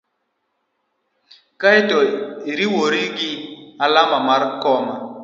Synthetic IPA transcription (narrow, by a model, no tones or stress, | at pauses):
kaitɔiɾiwoɾiɡɪalamamaɾkɔma